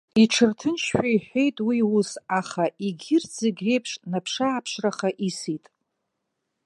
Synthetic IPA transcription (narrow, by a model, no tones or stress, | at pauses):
iʈ͡ʂʰɨrtʰɨnʃʃʷᶣaiħʷᶣe̞jtʼwiwusaχaʔiɡʲɪrd͡zeɡʲre̞jpʰʂnapʰʂaːpʰʂraχaʔisitʼ